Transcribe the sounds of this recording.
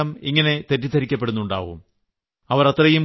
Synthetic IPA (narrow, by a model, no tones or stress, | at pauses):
ɐmiŋːɐne̞t̪e̞tːit̪ʰːɐɾikʲːɐpːe̞ɽunːuɳɖa̰ːʋṵm | ɐʋɐɾɐt̪rɐjum